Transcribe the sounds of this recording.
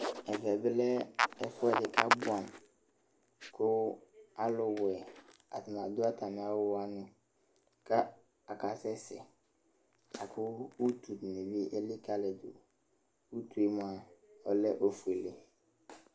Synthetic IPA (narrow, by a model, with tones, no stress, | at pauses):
ɛ˨vɛ˨bɪ˦lɛ˦ɛ˦fʊ˦ɛ˨dɪ˨ka˦bʊ˦a˨n | kʰʊ˦a˦lʊ˨wɛ˨a˨tʊ˨nã˨dʊ˦a˦tʰa˨mɪ̃˨˦a˦wʊ˦a˦nʊ̃˨ | ka˦ | a˨ka˨sɛ˦sɪ̰˨ | a˨kʰʊ˦wu˦tu˨tnɪ˨vi˦ʔe˦lɪ˦ka˦lɛ˨dʊ̰˨ | wu˦tu˨e˦m˨a˨ɔ˨lɛ˦ʔo˦fu˨e˨le˦